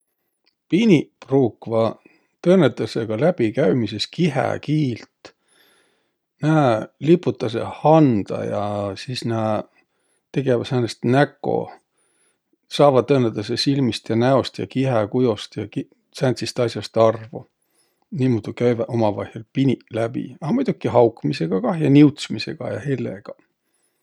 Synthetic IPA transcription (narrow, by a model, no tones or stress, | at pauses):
pinʲipruːkvɑ | t̪ɤːnːet̪ːˑɑseɡ̥ɑlæb̥ikæɥmise̞skiɦḛkiːlt̪ | næːlipːˑut̪ːˑɑs̬e̞̰hɑnd̪̥ɑ̰jɑsisnæː | t̪e̞ɡe̞vɑsænest̪nækːˑo̞̰ | sɑːvɑd̪̚ːɤːned̪̥ɑsesilmist̪jɑnæo̞st̪jɑ̰kiɦekujost̪jɑki | sænt̪sist̪ɑsjɑst̪ɑrvu | niːmud̪̥ukæjvɑʔomɑvɑhelpinʲilæb̥ḭɑmujd̪̥ukːiɦɑwkmise̞ɡ̥ɑkɑhjɑniwt̪smise̞ɡ̥ɑ̰jɑhelḛɡ̥ɑ